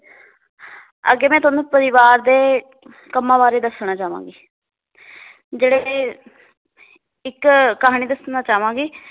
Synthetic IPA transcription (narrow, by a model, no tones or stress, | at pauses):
ə̰ɡeːmɛ̃ːt̪ʊaːnũːpəɾɪʋaːɾd̪eː | kəmãːbaːɾeːd̪əsɳaːt͡ʃaːʋã̰ːɡiː | d͡ʒeːɽe | ɪkkːəɦaːɽ̃iːd̪əsnaːt͡ʃaːʋãːɡiː